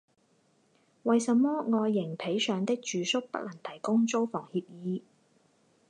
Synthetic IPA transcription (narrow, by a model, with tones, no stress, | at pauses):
wɐ˨jsɐ˨˧mːɔː˥ŋɔː˧jːɪ˨˩ŋpʰe˨˥jsœː˨ŋt̪ɪ˥k̚t͡ʃyː˨˧sʊ˥k̚pɐ̰˥k̚lɐ˨˩ŋt̪ʰɐ˨˩jkʊ˥ŋt͡so˥wfɔː˨˩ŋhiː˧p̚jiː˨˧